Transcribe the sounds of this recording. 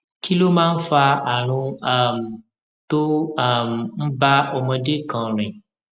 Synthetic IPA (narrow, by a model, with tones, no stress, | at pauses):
ki˦lo˦mãː˦n̩˦fa˧a˨ɾ̃ũ˧a˦m˨ | t̪o˦a˦˨m˨n̩˦ba˦o˧mɛ̃˧de˦kɔ̃˨ɾ̃ẽ˨